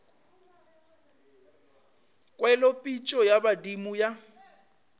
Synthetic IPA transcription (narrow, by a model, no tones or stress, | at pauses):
kʼwɛlɔpʼit͡ʃʼɔjabadimuja